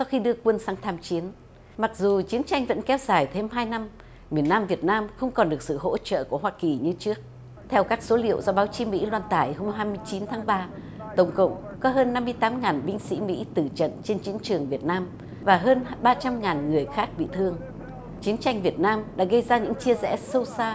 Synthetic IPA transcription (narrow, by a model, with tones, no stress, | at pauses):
sa˧wxi˧ɗɨ˧əkwə˧nsaː˨˦ŋt̪ʰaː˧mt͡ɕi˨˦ən | ma˨˩k̚zu˨˩t͡ɕi˨˦ənt͡ɕa˧jŋ̟və̰˧˥nkɛ˨˦wzaː˨˩jt̪ʰe˧mɦaː˧jna˧m | mi˨˩ənːaː˧mvi˨˩ət̚naː˧mxə˧wŋ͡mkɔ˨˩nɗɨ˨˩ək̚sɨ̰˧˨ɦo̰˧˥t͡ɕə̰ː˧˨ku˧˩əɦwaː˧ki˨˩ɲɨ˧t͡ɕɨ˦˥ək̚ | t̪ʰɛ˧wkaː˦˥k̚so˨˦lḭ˧˨əwzɔ˧ɓaː˨˦wt͡ɕi˨˦mḭ˧˥lwaː˧nt̪aː˧˩jho˧wŋ͡mɦaː˧jmɨ˧əjt͡ɕi˨˦nt̪ʰaː˨˦ŋɓaː˧t̪ə˧˩wŋ͡mkə̰˧˨wŋ͡mkɔ˨˦ɦəː˧nːa˧mːɨ˧əjt̪aː˨˦mŋaː˨˩nɓï˧ŋ̟sḭ˧˥mḭ˧˥t̪ɨ˧˩t͡ɕə̰˧˨nt͡ɕe˧nt͡ɕi˨˦ənt͡ɕɨ˨˩əŋvi˨˩ət̚naː˧m | vaː˨˩ɦəː˧nɓaː˧t͡ɕa˧mŋaː˨˩nŋɨ˨˩əjxaː˦˥k̚ɓḭ˧˨t̪ʰɨ˧əŋ | t͡ɕi˨˦ənt͡ɕa˧jŋ̟vi˨˩ət̚naː˧mɗa̰ː˧˥ɣə˧jzaː˧ɲɨ̰˧˥ŋt͡ɕi˧əzɛ̰˧˩sə˧wsaː˧